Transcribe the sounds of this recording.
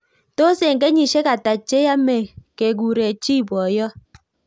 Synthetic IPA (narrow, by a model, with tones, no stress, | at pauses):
to˦se˨ŋɡe˦ɲi˨ʃe˦ka˨ta˨t͡ʃe˦ja˦mɛ˨ke˨ɡu˨ɾe˨t͡ʃi˦˨bwɔ˨jɔ˦